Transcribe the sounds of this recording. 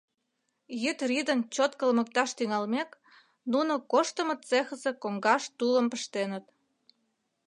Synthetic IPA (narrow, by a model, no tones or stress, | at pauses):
jyt̪rid̪ənt͡ɕot̪kə̆lmə̆k̚t̪ɑʃt̪yŋɑlmek | nunokoʃt̪ə̆mə̆t̪t͡sexə̆zekoŋɡɑʃt̪ulə̆mpəʃt̪enə̆t̪